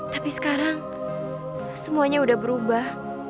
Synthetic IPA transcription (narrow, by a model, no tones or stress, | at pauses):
t̪apisə̥kaɾaŋ | səmuaɲaudahbəɾubah